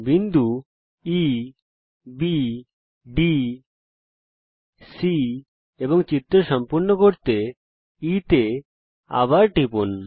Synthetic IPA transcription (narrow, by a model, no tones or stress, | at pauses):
bind̪ʱu | i | bi | ɖi | si | eboŋt͡ɕit̪ːɾoʃɔmpuɾnokoɾt̪e | it̪e | a̰baɾʈipun